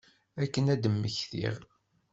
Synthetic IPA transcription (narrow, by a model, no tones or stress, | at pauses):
ækːənæd̪əmːəçθḭʁ